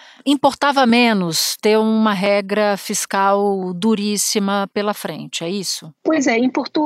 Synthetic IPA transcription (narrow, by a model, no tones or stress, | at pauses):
ĩpoɾt̪avɐmẽnʊst̪eɾũmɐɦɛɡɾɐfiskawd̪uɾisimɐpelɐfɾḛ̃nt͡ʃɪɛisʊpojzɛĩpoɾt̪ũ